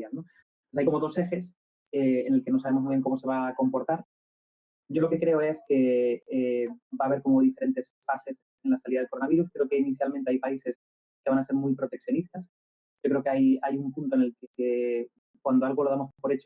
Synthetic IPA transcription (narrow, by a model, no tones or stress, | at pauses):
jalno̞ | pwes̬ajkomo̞ðo̞se̞xe̞s | eːne̞lke̞noaβe̞mo̞mujβjeŋko̞mo̞se̞βako̞mpo̞ɾt̪aɾ | ɟ͡ʝo̞lo̞ke̞kɾe̞o̞e̞ske̞ebaːβ̞e̞ɾko̞moðifeɾe̞nt̪e̞sfase̞s | e̞nlasaliðaðelko̞ɾonaβiɾuskɾe̞o̞ke̞iniθjalmẽnt̪e̞ajpaise̞s | ke̞βanase̞ɾmujpɾo̞t̪e̞k̚θjonist̪as | ɟ͡ʝokɾe̞o̞keajajumpunt̪oene̞lkeke | kwand̪oalɣo̞loðamospo̞ɾet͡ʃ